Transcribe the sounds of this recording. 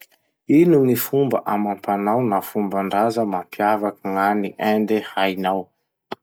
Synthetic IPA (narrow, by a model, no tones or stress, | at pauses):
inunifumbə̰ʔamampanawnafumbaɳɖ͡ʐazəmampʰjavakəŋaniʔɛnd̪ehajnaw